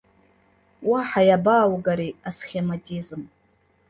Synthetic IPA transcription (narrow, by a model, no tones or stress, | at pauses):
waħajabaːwɡaɾiasχʲematʼizm